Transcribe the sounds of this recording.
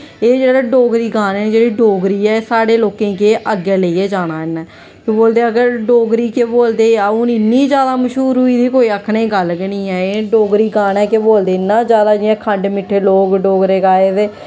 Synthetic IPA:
eːd͡ʒeːɽaːɖoːɡɾiːɡaːnɛːd͡ʒeːɽiːɖoːɡɾiːɛːeːsaːɽeːloːkẽːkeːʔəɡeːləieːd͡ʒaːɽ̃aːɪnːɛː | keboːld̪eːəɡəɾɖoːɡɾiːkeːboːld̪eːaʊnɪnːiːd͡ʒjaːd̪aːməʃɦuːɾɦuiːd̪iːkoːiːəkʰɽẽːɡəlkənĩːɛːeːɖoːɡɾiːɡaːnɛːkeboːld̪eːɪnãːd͡ʒjaːd̪aːd͡ʒɪɛ̃ːkʰəɳɖmɪʈʰːeːloːkɖoːɡɾeːkaːeːt̪eː

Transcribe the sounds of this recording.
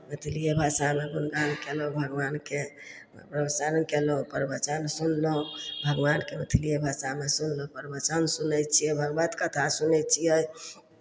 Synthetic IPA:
mət̪ʰilijebʱasamebunɡankelõbʱəɡʋanke | pɾəbsəɾənkelõpəɾbət͡ʃənsunlõbʱəɡʋankemət̪ʰilijebʱasamesunlõpəɾbət͡ʃənsunət͡ʃʰijebʱəɡbət̪kət̪ʰasunɛt͡ʃʰijəj

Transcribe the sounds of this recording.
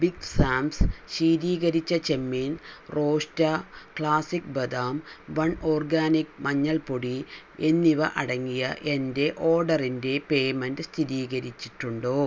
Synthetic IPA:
biɡsaːmsɕiːɾiːɣɐɾit͡ɕːɐt͡ɕe̞mːiːnro̞ːʂtɐkɭaːsik̚bɐd̪aːmʋɐɳoːrɡaːnik̚mɐɲːɐɭpoɽi | e̞nːiʋɐʔɐɽɐŋːijɐ̰ʔe̞nde̞ʔo̞ːɖɐrinde̞pe̞ːjmɐndɨst̪ʰiɾiːɣɐɾit͡ɕːiʈːuɳɖoː

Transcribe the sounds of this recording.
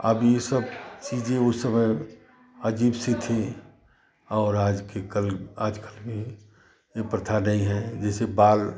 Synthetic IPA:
ə̰bjesəbt͡ʃiːd͡ʒẽʊsəməj | əd͡ʒiːbset̪ʰe | ɔːɾaːd͡ʒkekəlaːd͡ʒkəlmẽ | jepɾət̪ʰanəɦĩɦɛd͡ʒɛːsebaːl

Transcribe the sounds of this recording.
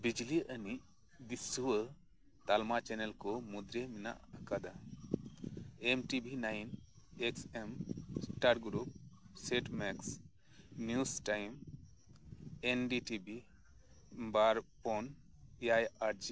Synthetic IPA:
bid͡ʒliʔəniʔ | d̪isuwə | t̪almat͡ʃɛnɛlkɔmud̪ɾemina̰ʔkad̪a | emʈibʱinajneksemsʈaɾɡɾup̚seʈmɛks | njusʈajm | enɖiʈibʱi | baɾpɔn | ajaɾd͡ʒi

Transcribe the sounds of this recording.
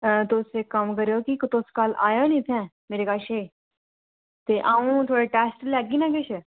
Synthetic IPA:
t̪osekəmkəɾeoːkikʊt̪oskaːla̰ːjãːnĩːt̪ʰɛ̃ː | meːɾeːkaːʃeː | t̪eːʔãːũːt̪ʰoːɽeːʈɛːsʈlɛːɡiːnãːkɪt͡ʃʰ

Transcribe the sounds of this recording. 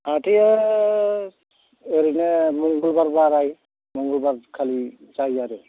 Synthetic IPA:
atia | eɾinɛmuŋɡulbaɾbaɾaj | mɔŋɡulbaɾkʰalit͡ʃajaɾɛ

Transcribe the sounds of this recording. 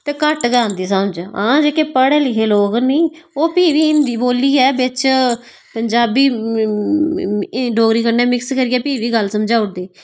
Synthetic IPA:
t̪eːkəʈɡãːnd̪iːsəmd͡ʒãːd͡ʒeːkeːpəɽeːlɪɦʰeːloːɡənĩːoːpiːʋiːɪnd̪iːboːliːɛːbɪt͡ʃ | pəɲd͡ʒaːbiː | ɖoːɡɾiːkəɾnɛːmɪkskəɾiːɛːpiːʋiːɡəlsəmd͡ʒaːʊʈ̚d̪eː

